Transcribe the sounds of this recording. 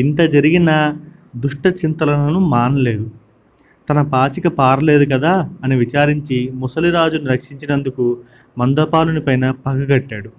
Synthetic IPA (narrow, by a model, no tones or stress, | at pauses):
int̪ɐd͡ʒɐɾiɡinɐ | d̪uʂʈɐt͡ʃint̪ɐlɐnɐnumaːnɐle̞ːd̪u | t̪ɐnɐpaːt͡ʃikɐpaːɾɐle̞ːd̪uk̬ɐd̪aːɐniʋit͡ʃaːɾiɲt͡ʃimɔsɐliɾaːd͡ʒuniɾɐkʂiɲt͡ʃinɐnd̪uku | mɐnd̪ɐpaːlunipɐjnɐpɐɡɐɡɐʈːaːɽu